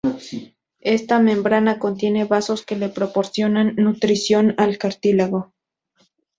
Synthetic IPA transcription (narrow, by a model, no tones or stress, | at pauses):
e̞st̪amẽ̞mbɾanako̞nt̪je̞ne̞βaso̞ske̞le̞pɾopo̞ɾsjo̞nanːut̪ɾisjo̞nalkaɾt̪ilaɣo̞